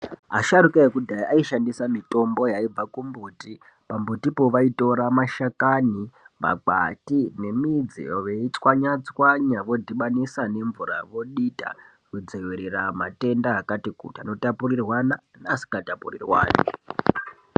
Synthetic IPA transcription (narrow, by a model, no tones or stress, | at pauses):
aʃaɾukaekudʱaiʔaiʃandisamito̞mbo̞jaib͡vakumbuti | pambutipo̞ʋaito̞ɾamaʃakanima̰k͡pa̰tine̞mid͡zḭʋeit͡swaɲat͡swaɲaʋo̞dʱiɓanisane̞ɱvuɾa̰ʋo̞ɗita̰ | kud͡zeweɾerama̰te̞ndaakatikṵtiano̞tapurirwananasi̥katapurḭrwa̰ːnḭ